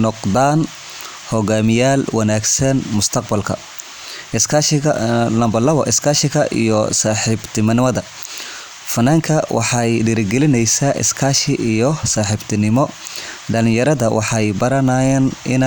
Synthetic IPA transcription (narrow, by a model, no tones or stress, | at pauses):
nɔqd̪aːn | hɔɣaːmɪjaːlwɑnaːɡsɐnmʊst̪ʰɐq̚bɐlkʰɐ̰ | ɪskaʃɐlɐmbɐlɐβɐ̰ʔɪskʰaːʃɪɣɐʔḭjɔ̰saːħɪbt̪ʰɪmɐnɪmɐðɐ | fɐnaːŋkʰɐwʔɑ̰ħɑjɖɪɾɪɡɛlɪnɛjsaʔɪ̰skʰaːʃɪʔijɔsaːħɪbt̪ʰɪnɪmɔɖɐlɪjɐɾɐðɐwʔɑ̰ħɑjbɐɾɐnaːjɛːnɪn